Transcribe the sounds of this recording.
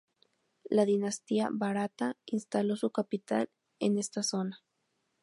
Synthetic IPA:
laðinast̪ia̰βaɾat̪ainst̪alosukapit̪a̰l | enest̪asona

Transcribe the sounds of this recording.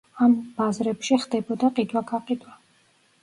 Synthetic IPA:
ambazɾɛpʃiχd̪ɛbɔd̪aqʼid̪waɡaqʼid̪wa

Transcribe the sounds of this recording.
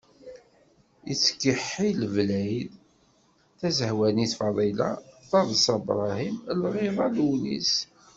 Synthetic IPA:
ḭt͡sːə̥kːəħːilvlæjð | θæzəhwæniθfɑðˤilɑ̰θɑðˤsɑbɾˤɑhimlʁiðˤɑlunḭs

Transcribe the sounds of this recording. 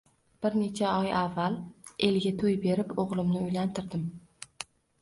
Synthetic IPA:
b̥ɪɾne̞t͡ʃʰaɒjavːale̞lɡʲat̪ʰojbe̞ɾɪpoʁlˠɪmnɪʊjlant̪ʰɪɾd̪ɪm

